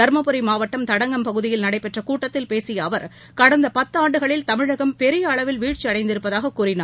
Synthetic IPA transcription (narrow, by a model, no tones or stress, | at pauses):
ɐɾmɐpɯɾɪmaːʋɐʈːɐmt̪ɐɽɐŋɡɐmpɐɣɯðɪjɪlnɐɽɐɪpɛʈrɐkuːʈːɐt̪ːɪlpeːsɪjɐːʋɐɾ | kɐɽɐnd̪ɐpɐt̪ːɯaːɳɖɯɣɐɭɪlt̪ɐmɪɻɐɣɐmpɛɾɪjɐːɭɐʋɪlʋiːʈt͡ʃːiɐɽɐɪnd̪ɪɾɯpːɐðaːɣɐkːuːɾɪnaː